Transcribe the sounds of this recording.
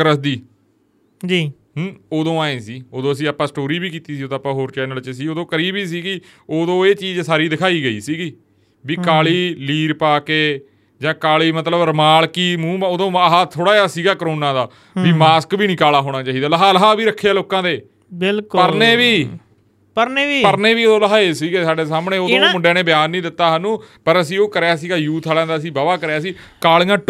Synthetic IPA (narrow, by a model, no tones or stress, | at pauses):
ɾəsd̪iː | d͡ʒiː | oːd̪õːaːẽːsiːoːd̪õːəsĩːaːpːãːsʈoːɾiːbiːkiːt̪iːsiːoːd̪ãːpãːɦoːɾt͡ʃɛːnəlt͡ʃəsiːoːd̪õːkəɾiːbiːs̬iːɡiː | oːd̪õːeːt͡ʃiːd͡ʒsaːɾiːd̪ɪkʰaːiːɡəiːsiːɡiː | biːkaːliːliːɾpaːkeː | d͡ʒãːkaːliːmət̪ləbɾəmaːlkiːmũːoːd̪õːɦaːt̪ʰoːɽaːjaːsiːɡaːkɾoːnãːd̪aː | biːmaːskbiːnĩːkaːlaːɦoːɽ̃ãːt͡ʃaːiːd̪aːləɦaːləɦaːbiːɾəkʰːaːloːkãːd̪eː | bɪlkpəɾneːʋiː | pəɾneːʋiːpəɾneːʋiːoːd̪õːləɦaːeːsiːɡeːsaːɖeːsaːmɳeːoːd̪õmʊɖeːneːbɪjaːnːĩːd̪ɪt̪ːaːɦanũːpəɾəsĩːoːkəɾjaːsiːɡaːjuːt̪ʰaːlãːd̪aːəsĩːbaːbaːkəɾjaːsiːkaːliːãːʈ